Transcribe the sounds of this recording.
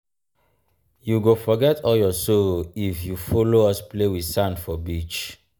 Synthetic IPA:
juɡofɔɡɛtʰɔljɔsoifjufoloɔsplewisãndfɔbit͡ʃ

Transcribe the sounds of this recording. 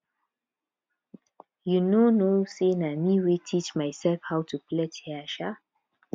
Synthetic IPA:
junonosenamiwetʰit͡ʃmaɪsɛlfhawtʰuplɛtɛaʃa

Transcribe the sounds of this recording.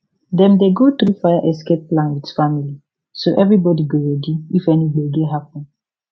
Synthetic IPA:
dɛ̃mdeɡot̪ɾufajaʔɛs̬kep̚plãnwitfamili | soʔɛvɹibɔdiɡeɹɛdiifɛniɡeɡeɦapɔ̃n

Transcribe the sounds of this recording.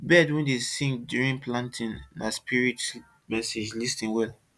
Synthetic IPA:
bɛdwɛ̃ndesĩŋkdjuɹĩnplãntʰĩnːaspiɹit | mɛsed͡ʒlistĩnwɛl

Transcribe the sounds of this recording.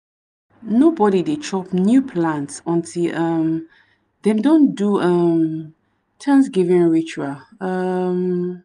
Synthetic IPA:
nobɔɾidet͡ʃɔpnjupʰlãntsɔ̃ntʰilʌm | ðɛ̃mdõnduʌm | tʰãnsɡivĩnɹit͡ʃaʌm

